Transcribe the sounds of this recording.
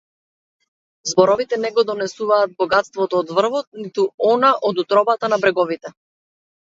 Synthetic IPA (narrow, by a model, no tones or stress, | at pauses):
zbɔɾɔvit̪ɛnɛɡɔd̪ɔnɛsuvaːt̪̚bɔɡat̪st̪vɔt̪ɔːd̪vr̩vɔt̪̚nit̪uɔnaʔɔd̪ut̪ɾɔbat̪anabɾɛɡɔvit̪ɛ